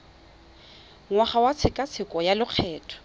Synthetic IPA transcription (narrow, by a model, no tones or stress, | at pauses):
ŋwaχawat͡sʰɪkʼat͡sʰɪkʼɔjalʊq͡χʰɛːtʰɔ̥